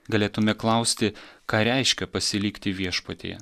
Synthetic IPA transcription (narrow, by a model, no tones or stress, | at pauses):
ɡɐlʲeːt̪ʊmʲɛklˠɐʊsʲt̪ʲɪkɑːɾʲɛɪʃʲkʲɛpɐsʲɪlʲiːkt̪ʲɪʋʲiɛʃpot̪ʲḛːjɛ̰